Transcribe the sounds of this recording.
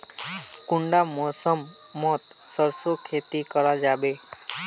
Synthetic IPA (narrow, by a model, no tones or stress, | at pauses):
kuɳɖamosɔmː | ɔt̪ | sɔɾsokʰet̪ikɔɾad͡ʒabe